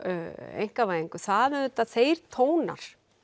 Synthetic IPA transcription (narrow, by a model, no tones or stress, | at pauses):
ḛjŋ̥kavajeŋkʏθaːðʏðʏt̪aθeːjɾt̪ʰoːwna̰ɾ̥